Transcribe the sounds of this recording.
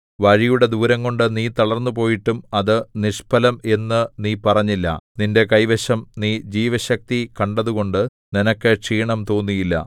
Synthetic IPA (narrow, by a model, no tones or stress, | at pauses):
ʋɐɻijuɽe̞d̪uːɾɐŋːo̞ɳɖɨniːt̪ɐɭɐrnːup̬o̞ːjiʈːumɐðɨniʂpɐlɐme̞nːɨniːpɐrɐɲːilːɐ̰ninde̞kɐjʋeɕɐmniːd͡ʑiːʋɐɕɐk̚t̪ikɐɳɖɐðuɣo̞ɳɖɨ | ninɐkːɨʈʂiːɳɐmt̪o̞ːnːijilːɐ̰